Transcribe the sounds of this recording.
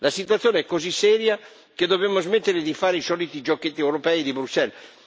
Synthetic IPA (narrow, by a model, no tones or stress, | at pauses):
lasit̪uat̪ːjoːneɛkːozisːɛːɾja | ked̪ːobɛmːozmet̪ːeɾed̪ifaːɾeisɔːlit̪id͡ʒokːet̪ːiɛwɾopɛid̪ibɾusɛl